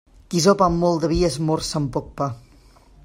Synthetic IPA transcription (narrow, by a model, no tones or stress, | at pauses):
kizɔpamːɔlˠd̪əβiəzmɔrsampɔk̚pa